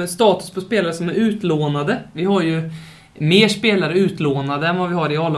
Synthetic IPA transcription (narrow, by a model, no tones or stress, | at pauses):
st̪ɑːt̪ɵ̥spʰɔspeːlaɾəsɔmæɾʉ̟ːt̪loːnad̪əvɪɦaɾjɵ | meːʂpeːlaɾəʉ̟ːt̪loːnad̪əɛnvavɪhaɾɪalː